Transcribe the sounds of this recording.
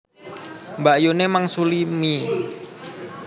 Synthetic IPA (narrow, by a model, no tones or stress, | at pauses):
mbajunemaŋsulimi